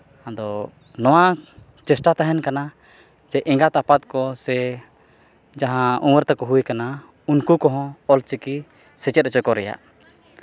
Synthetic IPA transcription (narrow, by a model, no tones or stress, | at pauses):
ad̪ɔ | nɔwa | t͡ʃɛsʈat̪aɦɛnkana | d͡ʒɛʔɛ̃ŋɡat̪apat̪̚kɔsɛ | d͡ʒaɦãũwəɾt̪akɔɦujkana | unkukɔɦɔ̃ɔlt͡ʃiki | sɛt͡ʃɛt̪̚ɛt͡ʃɔkɔɾɛja̰ʔ